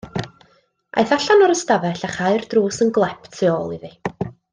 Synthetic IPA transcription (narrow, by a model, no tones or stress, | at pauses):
ʔa̰jθaɬanɔɾəstavɛɬaχaɨrd̥ruːsənɡlˠɛpʰtʰiɔːlˠiði